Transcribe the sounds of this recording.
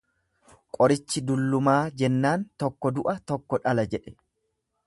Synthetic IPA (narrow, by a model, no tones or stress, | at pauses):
kʼɔɾɪt͡ʃːɪd̪ʊlːʊmaːd͡ʒɛnːaːnt̪ɔkːɔd̪ʊʔɐt̪ɔkːɔᶑɐlɐd͡ʒɛᶑɛ̥